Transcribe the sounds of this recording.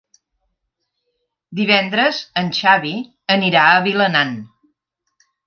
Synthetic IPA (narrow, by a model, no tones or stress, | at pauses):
d̪iβ̞ɛnd̪ɾəzənʲʃaβi | əniɾaəβilənan